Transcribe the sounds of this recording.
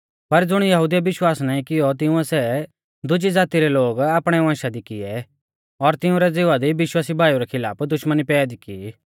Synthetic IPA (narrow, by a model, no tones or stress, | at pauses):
pɐɾd͡zʊɽ̃jɐɦud̪ijaʋɪʃwaːsnãːĩkɪjɔt̪̬ɪ̃ʊ̃ɛsɛ | d̪ʊd͡ʒid͡zaːt̪iɾɛloːɡaːpɽ̃ɛʋãːʃad̪ikɪɛ | ɔɾt̪ɪʊ̃ɾɛd͡zɪːʋad̪iʋɪʃwaːsibʱaːjuɾɛkʰɪla̰ːpd̪ʊʃmənipɛːd̪iki